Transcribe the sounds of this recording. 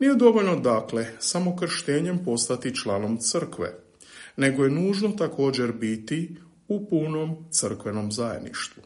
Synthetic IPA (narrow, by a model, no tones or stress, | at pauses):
nije̞d̪o̞ʋo̞ʎno̞d̪akle̞samo̞kr̩ʃt̪eːɲe̞mpo̞st̪at̪it͡ʃlaːno̞mt̪sər̩kʋḛ | ne̞ɡo̞je̞nuːʒno̞t̪akʰo̞ːd͡ʑeɾbit̪i | upuno̞mt̪sɨr̩kʋe̞no̞mzajed̪nḭʃt̪ʋu